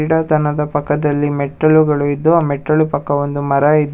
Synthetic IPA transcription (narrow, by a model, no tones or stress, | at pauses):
iɽaːt̪ɐnɐd̪ɐpɐkːɐd̪ɐlːimɛʈɾɐɭuɡɐɭuid̪ːuaːmɛʈɾɐɭupɐkːɐond̪umɐɾɐid̪ː